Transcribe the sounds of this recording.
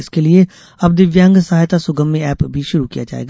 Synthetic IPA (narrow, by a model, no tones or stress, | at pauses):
ɪskelie | ɐb̚d̪ɪʋjãːŋɡsɐɦaːjt̪asʊɡəmːẽɛːpbʱiʃʊɾukija̰d͡ʒa̰ːḛːɡa